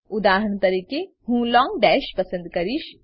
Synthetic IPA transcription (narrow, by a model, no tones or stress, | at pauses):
ʊd̪aːɦəɳ̃t̪ɐɾiːke | ɦũːlɔːŋɡɖɛːʃpɐsə̃nd̪kɐɾiʃ